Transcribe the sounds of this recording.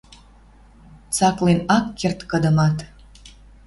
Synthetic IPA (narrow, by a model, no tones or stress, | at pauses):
t͡sɑklenɑkːert̪kəd̪əmɑt̪